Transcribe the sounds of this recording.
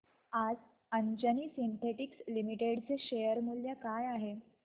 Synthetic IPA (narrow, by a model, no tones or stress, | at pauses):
ad͡z | əɲd͡ʑəniːsint̪ʰeʈikslimiʈeɽt͡seɕejəɾmuljəkajaɦe